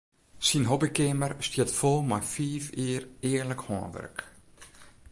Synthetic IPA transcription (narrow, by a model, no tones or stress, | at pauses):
sinɦɔbikɪmərstjətfɔlˠmajfiːfiərɪərləkhɔːnʋɛ̰rk